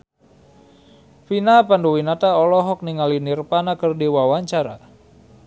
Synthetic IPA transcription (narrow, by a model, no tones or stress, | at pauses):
finapandowinat̪aɔlɔɦɔk̚niŋalinirpanakərdiwawaɲt͡ʃaɾa̰